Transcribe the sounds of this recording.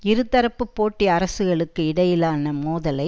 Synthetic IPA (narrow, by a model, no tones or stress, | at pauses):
ɪɾɯt̪ːɐɾɐpːɯpːoːʈːiɐɾɐsɯɣɐɭɯkːɯɪɽɐjɪlaːnɐmoːðɐlɐɪ